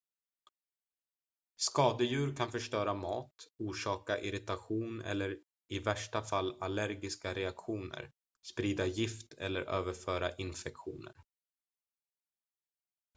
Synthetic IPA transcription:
skɑːd̪əjʉ̟ːɾkʰanfœʂʈœːɾamɑːt̪uːʂɑːkaʔɪɾɪt̪aɧuːnɛ̰lːəɾ | ɪvæʂʈafalːalæɾɡɪskaɾɛakɧuːnə̰ɾ | spɾiːd̪ajɪft̪ʰɛ̰lːəɾʔøːvəɾfœːɾaʔɪnfɛkɧṵːnə̰ɾ

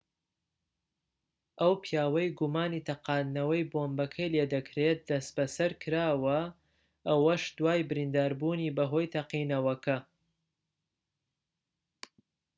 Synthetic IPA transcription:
ʔɐwpʰjaːwɐjɡumaːniːt̪ʰɐqɑːnːɐwɐjboːmbɐkʰɐjled̪ɐkʰɾet̪̚d̪̥ɐsbɐsɐɾkʰɨɾaːwɐ | ʔɐwɐʃd̪waːjbɨɾind̪aːɾbuːniːbɐɦo̞ːjt̪ʰɐqiːnɐwɐkʰɐ

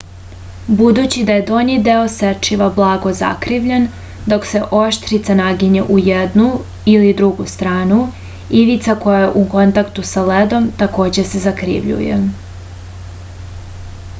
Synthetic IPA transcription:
bud̪ut͡ɕid̪aje̞d̪oɲid̪eo̞set͡ʃiʋablˠaːɡo̞za̰kɾiʋʎen | d̪o̞kse̞ʔo̞ʃt̪ɾit̪sanaɡiɲeʔujed̪nu | ilid̪ɾuɡust̪ɾaːnu | iʋit̪sako̞jajeʔuko̞nt̪akt̪usaled̪o̞mt̪ako̞ːd͡ʑe̞se̞zakɾḭʋʎṵjḛ

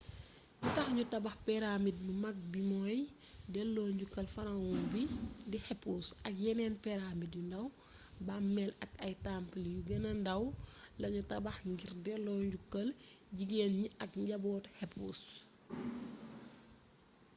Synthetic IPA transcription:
jutɐxɲutɐbɐxpɛɾamit̚mumɐk̚bimɔːj | dɛlːɔːɲɟukːɐlfɐnɐwɔnbidihɛpːuːsɐk̚jɛnɛːnpɛɾamitjundɐw | bamːɛlɐkɐjtampəlijuɡɐnɐndɐwlɐɲutɐbɐxŋɡirdɛlːɔːɲɟukːɐlɟiɡenɲiʔɐk̚ɟɐbɔːthɛpːuːs

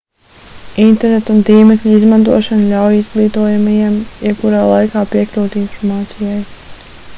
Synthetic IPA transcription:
int̪ɛɾnet̪unt̪iːmɛkʎʲizmant̪uɔʃanʎʲawjizɡlˠiːt̪uɔjamajimjɛbkuɾaːlˠajkaːpiɛklʲuːt̪infɔɾmaːt̪sijaj

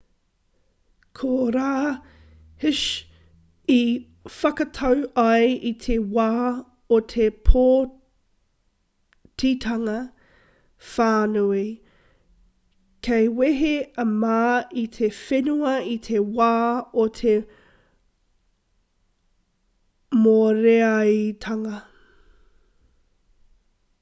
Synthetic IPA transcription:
kʰoɾaː | hɪʃ | i | fɐkɐtʰɐwɐjit̪ʰewaː | ot̪ʰepʰoː | tʰitʰɐŋɐ | faːnui | kʰejweɦeɐmaːitʰefenuɐitʰewaːotʰe | moɾeɐjtʰɐŋɐ

